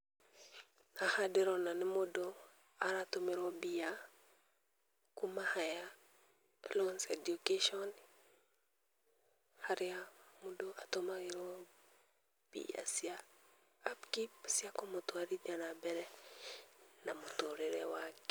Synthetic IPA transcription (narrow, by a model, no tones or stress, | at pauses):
nahadiɾonanimodo | aɾatomiɾobija | kumahaja | lonsedukeʃɔn | haɾijamudoatomaiɾo | b̥ḭja̰siaː | pkipsiakomotoaɾid͡ʒanabɛɾɛ | namutoɾiɾewak